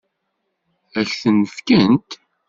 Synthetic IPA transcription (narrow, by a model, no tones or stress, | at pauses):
æçθənfkənt̪